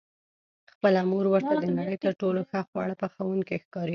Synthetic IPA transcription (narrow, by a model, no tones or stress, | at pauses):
xpəlamuɾwəɾt̪ad̪ənaɽəjt̪əɾʈoloxaxwɑ̰ɽəpəxawuŋkexkɑɾi